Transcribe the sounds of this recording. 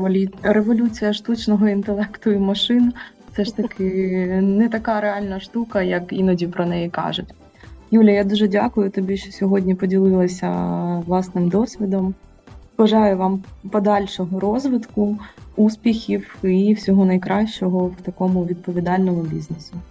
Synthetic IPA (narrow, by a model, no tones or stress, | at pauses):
ɾeʋɔlʲut͡sʲijɐʃt̪ut͡ʃnɔɦɔint̪elˠɛkt̪ʊimɐʃɪn | sɛʃt̪ɐkʰɪnɛt̪ɐkɑɾeɑlʲnɐʃt̪ukɐjɐkinɔdʲipɾɔnɛjikɑ̰ʒʊtʲ | julʲjɐjad̪uʒɛdʲakʊjʊt̪ɔbʲiʃt͡ʃɔsʲɔɦɔdʲnʲipɔdʲilˠɪlˠɐsʲɐ̰ʋlˠɑsnɪmd̪ɔsʲʋʲid̪ɔm | ʋɐʒɑjʊʋɑmpɔd̪ɑlʲʃɔɦɔɾɔzʋɪt̪kʊuspʲixʲiwiwsʲɔɦɔnɐjkɾʔɑʃt͡ʃɔɦɔwt̪ɐkɔmʊʋʲid̪̚pɔʋʲid̪ɑlʲnɔmʊbʲiznesʊ